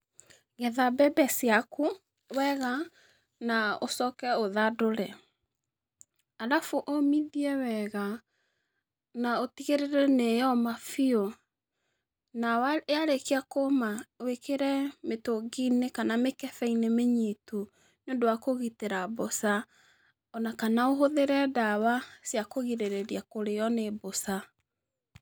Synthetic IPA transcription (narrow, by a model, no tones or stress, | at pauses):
ɣɛðabɛbɛsiaku | wɛɣa | naosɔkɛoðadoɾɛ | aðafuʔomidiɛwɛɣa | naotiɣeɾeɾɛnejɔmafio | nawaeaɾekeakomawekeɾɛmetoɡinekanamekɛfɛinemeɲitu | neondowakoɣiteɾabosa | ɔnakanaoɦoðeɾɛdawasjakoɣiɾeɾeɾiakoɾeɔnebosa